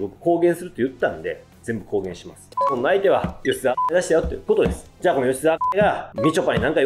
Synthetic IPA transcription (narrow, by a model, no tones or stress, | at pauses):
bo̞kɯ̟̥ko̞ːɡẽsɨɾɯt̪ːojɯ̟t̪ːãnd̪e̞̰ | d͡zẽ̞mbɯ̟ko̞ːɡẽ̞ɕimasɨ̥ko̞nːoait̪e̞βajo̞ɕizaed̪aɕi̥t̪eajot̪ːeko̞t̪od̪e̞sɨ̥d͡ʑaːko̞nojoɕʲizaeɡamʲit͡ɕopːaɲ̟inãŋka